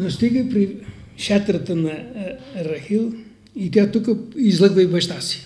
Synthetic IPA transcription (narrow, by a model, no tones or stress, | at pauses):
nɐʃt̪iɣɐpɾiʃɛt̪ɾɐt̪ɐnɐrɐxilˠ | it̪iɐt̪ukɐizlˠɐɣvɐjβɐʃt̪asi̥